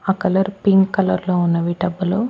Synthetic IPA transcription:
ɐkɐlɐɾpiŋɡkɐlɐɾloːunːɐʋiʈɐbːulu

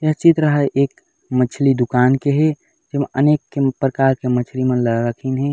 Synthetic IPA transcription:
jɐt͡ʃɪt̪ɾəɦəʔeːk | mət͡ʃʰlid̪ʊkaːnkeɦɛ | d͡ʒemẽʔəneːkːepɾəkaːɾkemət͡ʃʰlimə̃ləɾəkʰinɦɛ̃

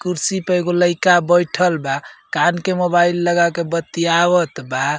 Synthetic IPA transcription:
kuɾsipəjɡoləɪkabəjʈʰəlbakankemobailːəɡakebət̪ːiaβət̪ba

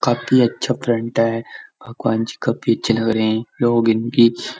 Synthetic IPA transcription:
kaːfiɐtːʃʰafɾə̃ɳʈaɦɛb̥ʱɐɡwaːnd͡ʒikaːfʰiɐtːʃʰelɐɡɾɐɦeɛ̃loːɡɪnki

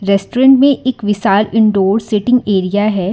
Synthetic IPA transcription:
ɾɛːsʈoːɾə̃ɳʈmẽʔeːkʋɪʃaːlɪ̃ɳɖoːɾsɪʈɪ̃ŋɡeːɾijaɦɛː

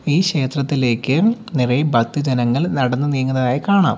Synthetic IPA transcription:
iːɕe̞ːt̪rɐt̪ːile̞ːkːɨ | nirɐjbʱɐk̚t̪ɨd͡ʑɐnɐŋːɐɭnɐɽɐnːɨnijŋːunɐðaːjikaːɳa̰ːm

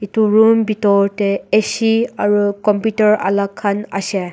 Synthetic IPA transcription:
ituɹumbitɔɹtɛesiaɹukɔmputɔɹa̰lakʰːana̰sɛ

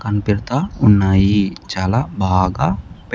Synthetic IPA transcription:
kɐnpɪɾt̪aʊnːaːjit͡ʃaːlabʱaːɡap

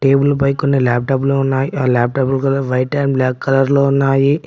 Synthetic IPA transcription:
ʈe̞ːbulpɐjkonːilaːp̚ʈɐbloːunːaːjiaːlaːp̚ʈɐbulkɐd̪aʋɐjʈːɐjmblaːkːɐlɐɾloːunːaːji

